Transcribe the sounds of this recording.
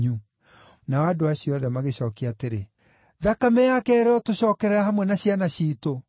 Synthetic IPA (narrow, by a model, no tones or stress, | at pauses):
u | nawadoaɕiɔðɛmaɣeɕɔːkiateɾe | ðakamɛjakɛːɾɛɔtoɕɔːkɛɾɛɾahamwɛnaɕjanaɕiːto